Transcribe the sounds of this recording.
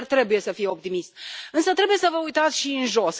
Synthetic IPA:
rt̪ɾe̞buje̞səfijeo̞p̚t̪imist̪̚ɨnsət̪ɾebuje̞səvəujt̪at̪sʲʃiɨnʒo̞s

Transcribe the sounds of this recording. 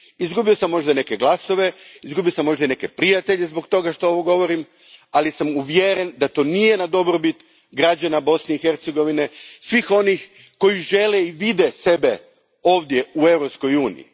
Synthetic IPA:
izɡubio̞samːo̞ʒd̪ane̞keɡlˠaso̞ʋe̞izɡubiosamːo̞ʒd̪aine̞ke̞pɾijat̪e̞ʎe̞zbo̞kt̪o̞ɡaʃt̪ooʋoɡo̞ʋo̞ɾim | alisamuʋjeɾend̪at̪o̞ːnije̞nad̪o̞bɾobit̪ | ɡɾad͡ʑanabo̞sne̞ixe̞ɾt̪seɡo̞ʋine̞sʋixo̞nix | ko̞jiʒe̞leiʋid̪ese̞be̞ | o̞ːʋd̪je̞ue̞ʋɾo̞psko̞juːnḭḭ

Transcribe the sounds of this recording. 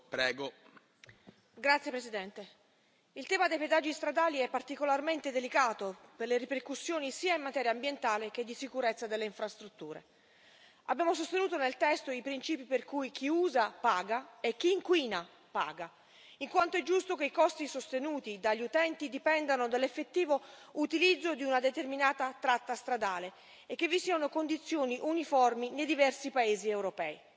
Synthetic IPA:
pɾɛːɡo | ɡɾat̪sːjepɾesid̪ɛnt̪e | ilt̪ɛːmad̪ejped̪ad͡ʒːist̪ɾad̪aːliɛpːart̪ikolarment̪ed̪elikaːt̪operleriperkusːjoːnisiːaimːat̪ɛːɾjaːmbjent̪aːlek̟ed̪ːisikuɾet̪sːad̪elːeiɱfɾast̪ɾut̪ːuːɾḛ | abːjaːmos̬ost̪enuːt̪onelt̪ɛst̪oipɾint͡ʃiːpiperkujk̟ʰiuːzapaːɡaek̟ːiːŋkwiːna | pa̰ːɡa | iŋkwant̪oɛd͡ʒːust̪okeikɔst̪isost̪enuːt̪id̪aʎːiut̪ɛnt̪id̪ipɛnd̪anod̪alːefːet̪ːiːvout̪ilid̪zːod̪iunad̪et̪erminaːt̪at̪ɾat̪ːast̪ɾad̪aːle | ekːevːisiːanokond̪it̪sːjoːniʔunifɔrminejd̪ivɛrsipaeːziewɾopɛːi

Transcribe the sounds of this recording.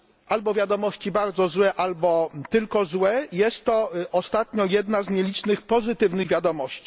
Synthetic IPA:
ʔalbɔvʲjad̪ɔmɔɕt͡ɕibaɾd̪zɔzwɛʔalbɔt̪ɘlkɔzwɛjɛst̪ːɔʔɔst̪at̪ɲɔjɛd̪nazɲelʲit͡ʂnɘxpɔzɘt̪ɘvnɘɣvʲjad̪ɔmɔɕt͡ɕi̥

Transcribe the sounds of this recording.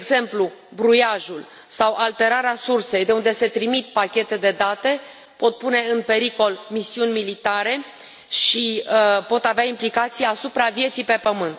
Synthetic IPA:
ɡze̞mplubɾujaʒul | sawʔalt̪e̞ɾaɾeasurse̞jd̪e̞und̪e̞se̞t̪ɾimit̪̚pakʲe̞t̪e̞d̪e̞d̪at̪e̞ | po̞t̪̚pune̞ɨnpe̞ɾiko̞lmisiunʲmilit̪aɾe̞ | ʃiəpo̞t̪aveaimplikat̪sijeasupɾavje̞t̪sijpe̞pəmɨnt̪

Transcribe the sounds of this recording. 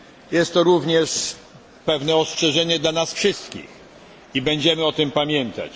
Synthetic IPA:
jɛst̪ːɔɾuvɲɛʂ | pɛvnɛɔstʂɛʐɛɲɛd̪lanasfʂɘst̪kʲḭx | ibɛɲd͡ʑɛmɘɔt̪ɘmpamʲjɛnt̪a̰t͡ɕ

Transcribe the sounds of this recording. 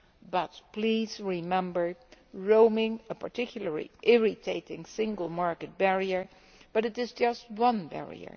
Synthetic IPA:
bʌt̚plizɹɪmɛ̃mbə˞ɹoʊmɪ̃ŋəpʰə˞tɪkʰjl̩ˠə˞lḭʔɪɹɪtʰeɪɾɪ̃ŋsɪ̃ŋɡəl̩ˠmɑɹkɨt̚b̥ɛɹiə˞ | b̥ʌɾɨɾɨzd͡ʒʌst̚wʌ̃nbɛ̰ɹḭə̰˞

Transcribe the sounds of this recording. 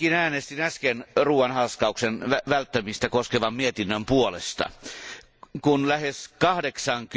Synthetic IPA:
inæːnest̪inæskenruːwɑnhɑskɑuksenæʋælt̪ːæmist̪ækoskeʋɑmmiet̪inːømpuolḛst̪ɑ̰ | kunlæheskɑhdeksɑŋk

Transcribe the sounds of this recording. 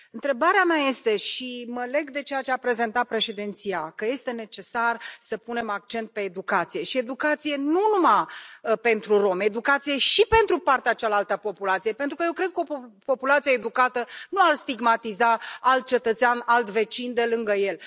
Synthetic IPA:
ɨnt̪ɾe̞baɾeamaje̞st̪e̞ʃiməle̞ɡd̪e̞t͡ʃe̞jat͡ʃeapɾe̞ze̞nt̪at̪̚pɾe̞ʃe̞d̪ent̪sijakəje̞st̪e̞ne̞t͡ʃe̞sarsəpune̞mak̚t͡ʃe̞nt̪̚pe̞ːd̪ukat̪sije̞ʃie̞d̪ukat̪sije̞nunumape̞nt̪ɾuro̞me̞d̪ukat̪sije̞ʃipe̞nt̪ɾupart̪eat͡ʃalalt̪əpo̞pulat̪sije̞pent̪ɾukəje̞wkɾe̞d̪̚kəo̞po̞pulat̪sijeed̪ukat̪ənuarst̪iɡmat̪izaalt̪̚t͡ʃe̞t̪ət̪seanalt̪ve̞t͡ʃind̪e̞lɨŋɡəje̞l

